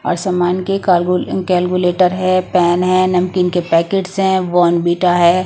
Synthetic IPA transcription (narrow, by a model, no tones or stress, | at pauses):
ɔ̰ːɾsamaːnkekɛːlkuleːʈəɾɦɛpɛːnɦɛ̃nɐmkinkepɛːkeːʈsɦɛ̃ʋɔːnbiːʈaɦɛː